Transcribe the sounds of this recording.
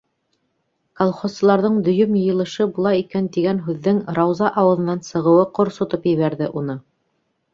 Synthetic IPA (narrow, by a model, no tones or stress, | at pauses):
kolˠχosɤ̆lˠɑɾðɤɴd̪ɵ̆jɵmjɤ̆jɤ̆lˠɤ̆ʃɤbulˠɑjikænt̪iɡænɦʉðːɘŋɾɑwzɑʔɑwɤ̆lˠɤ̆nɑnsɤ̆ʁɤ̆wɤqŏɾsŏt̪opjɘ̆βæɾðɘʔunɤ